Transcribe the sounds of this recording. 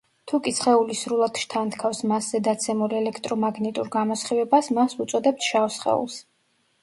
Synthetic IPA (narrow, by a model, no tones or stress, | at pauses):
t̪ʰukʼisχɛulisɾulˠad̪ʃt̪ʰant̪kʰafsmaszɛd̪at̪sʰɛmulɛlɛkʰt̪ʼɾɔmaɡnɛt̪ʼuɾɡamɔsχivɛbasmasut̪sʼɔd̪ɛp̚sʰʃaɔsχɛ̰ṵlˠs